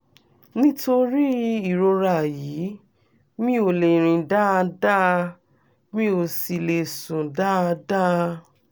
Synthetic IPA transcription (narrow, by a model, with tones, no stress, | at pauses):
nĩ˦to˧ɾi˦i˦˨ɾo˧ɾa˦˨jiː˨˦ | mĩ˦o˧˨le˨ɾ̃ĩ˨da˦a˧da˦˧ | mĩ˦o˧si˧le˨sũ˨da˦a˧da˦